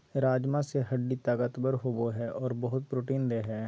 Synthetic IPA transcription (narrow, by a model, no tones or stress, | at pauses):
ɾaːd͡ʒmãːseːɦəɖːiːt̪aːɡət̪bəɾɦoːboːɦɛːɔːɾbəɦʊt̪̚pɾoːʈiːnd̪eːɦɛː